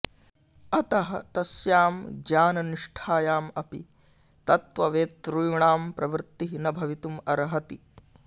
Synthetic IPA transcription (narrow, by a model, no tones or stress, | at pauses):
ɐt̪ɐɦɐ̰t̪ɐsjaːmd͡ʒaːnɐniʂʈʰaːjaːmɐpḭ | t̪ɐt̪ʋɐʋeːt̪ːɾujuɳaːmpɾɐʋɾt̪iɦinɐbʱɐʋit̪umɐɾɐɦɐt̪i